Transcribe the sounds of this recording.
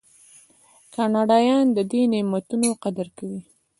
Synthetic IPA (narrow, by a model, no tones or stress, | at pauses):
kɑnɑɖɑjɑnd̪əd̪enemat̪unoqad̪aɾkawi